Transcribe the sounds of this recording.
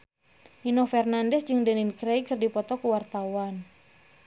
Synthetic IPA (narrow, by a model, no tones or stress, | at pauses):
inɔfɛrnandɛsd͡ʒɨŋdɛninkɾɛkrdipɔt̪ɔkuwart̪awan